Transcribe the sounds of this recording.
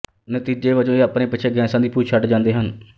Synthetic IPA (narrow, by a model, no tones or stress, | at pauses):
nət̪iːd͡ʒeːʋəd͡ʒõːeːapneːpɪt͡ʃʰeːɡɛːsãːd̪iːpuːt͡ʃʰəʈd͡ʒãːnd̪eːɦən